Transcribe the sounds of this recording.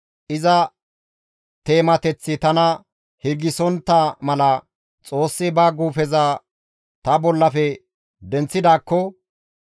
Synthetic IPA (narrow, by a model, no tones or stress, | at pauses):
ʔɪzɐ | t̪e̞ːmɐt̪ɛt͡sːɪt̪ɐnɐ | hɪɡɪsɔnt̪ːɐmɐlɐ | t͡sʼo̞ːsːɪbaːɡuːfɛza | t̪ɐbɔlːɐfɛ | d̪ɛnt͡sːɪd̪aːkːɔ